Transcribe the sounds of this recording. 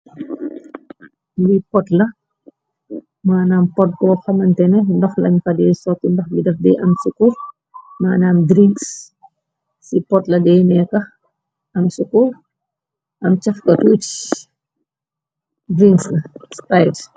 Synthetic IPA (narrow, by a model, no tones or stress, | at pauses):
bipɔtlɐ | maːnaːmpɔt̚bɔːxɐmɐntɛnɛndɐxlɐɲfɐdɛːsɔtːindɐxbidɐfdɛːʔɐmsukur | maːnaːmdɾiks | sipɔtlɐdɛːnɛkɐ | ɐmsukur | ʔɐmt͡ʃɐfkɐtut͡ʃ | bɾiŋkslɐspajt